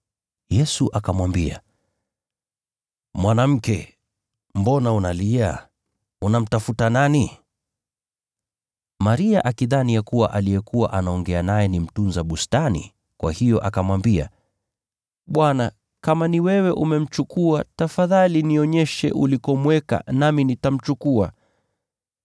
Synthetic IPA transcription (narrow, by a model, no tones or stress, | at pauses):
jɛsuʔakamwambia̰ | mwanam̩kɛ | mbɔnaunalia | unam̩tafutanani | maɾiaʔakiðanijakuwa̰ʔalijɛkuwa̰ʔanaɔŋɡɛanajɛnim̩tunzaɓustanḭ | kwa̰hijɔʔakamwambia̰ | ɓwana | kamaniwɛwɛʔumɛm̩t͡ʃukuatafaðaliniɔɲɛʃɛ̰ʔulikɔmwɛka̰naminitam̩t͡ʃukua